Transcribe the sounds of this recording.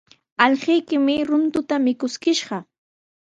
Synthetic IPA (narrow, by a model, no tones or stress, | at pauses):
ɑʎɢɪjkɪmɪɾʊnt̪ʊt̪amɪkʊskɪʃɢɑ